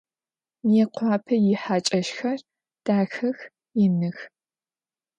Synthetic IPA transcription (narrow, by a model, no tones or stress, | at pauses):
mjɛqʷʰɑːpʰɐjɪħaːt͡ʃʼɐʃxɐr | d̥aːxɐx | jɪnɨx